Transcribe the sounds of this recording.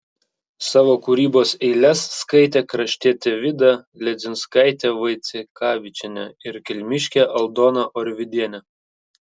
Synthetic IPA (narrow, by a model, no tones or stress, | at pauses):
sɑːʋoːkuɾʲiːboːsɛɪlʲɛsːkɐɪt̪ʲeːkɾɐʃʲt̪ʲiɛt̪ʲeʋʲɪd̪ɐ | lʲɛd̪zʲɪnskɑɪt̪ʲeːʋɐɪt̪sʲɪkɑːʋʲɪt͡ʃʲɪnʲɛɪɾkʲɪlʲmʲɪʃʲkʲɛʔɐlˠd̪oːnɐʔɔɾʲʋʲɪd̪ʲiɛnʲɛ